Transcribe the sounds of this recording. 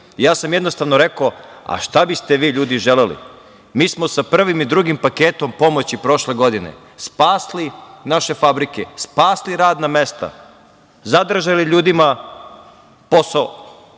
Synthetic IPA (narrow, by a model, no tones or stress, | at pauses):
jaːsamjed̪no̞st̪aʋnoɾe̞koa̰ʃt̪abist̪e̞ʋiːʎuːd̪iʒele̞lḭ | miːsmo̞sapr̩ʋimid̪ɾuɡimpakeːt̪o̞mpo̞mot͡ɕipɾo̞ʃle̞ɡo̞d̪inḛ | spaːslinaʃe̞fabɾikespaːsliɾaːd̪name̞st̪a̰ | zad̪r̩ʒaliʎuːd̪ima | posao